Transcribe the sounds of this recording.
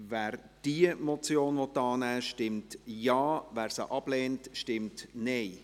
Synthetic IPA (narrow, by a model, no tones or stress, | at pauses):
væːɾ | d̥iəmɔt͡sjoːnʋɔtːɑːnæːʃtɪmtjɑːvæːɾsəʔɑb̥lɛːntʃtɪmtnɛeɪ